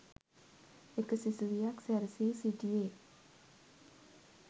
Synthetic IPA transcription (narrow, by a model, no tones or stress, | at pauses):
ʔekəsisuwiaksɛrsisidie